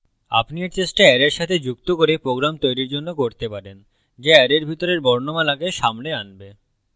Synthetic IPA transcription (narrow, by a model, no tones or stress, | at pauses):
a̰pnieɾt͡ɕeʃʈaɛɾeɾʃat̪ʰed͡ʑukt̪okoɾepɾoɡɾamt̪ojɾiɾd͡ʑonːokoɾt̪epaɾen | d͡ʑeɛɾeɾbʱit̪oɾeɾbɔɾnomalaɡeʃamleanbe